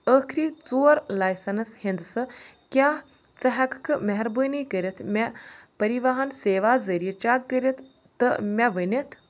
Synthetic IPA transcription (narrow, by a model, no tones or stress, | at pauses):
əːkʰɾiːt͡soːɾlaːjsɐnɐshind̪sɨkʲaː | t͡sɐɦɐkkʰɨmɐɦɐɾbəːniːkəɾʲɐt̪ʰmʲɐpɐɾiʋaɦɐnseːʋaːzɐɾijɐt͡ʃaːk̚ːəɾʲɐt̪ʰː | ɨmʲɐʋənʲɐt̪ʰ